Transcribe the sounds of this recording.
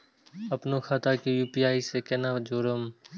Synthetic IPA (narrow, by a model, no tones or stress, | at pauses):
əpnoːxʰaːt̪aːkijuːpiːaːiːseːkeːnaːd͡ʒoːɾəm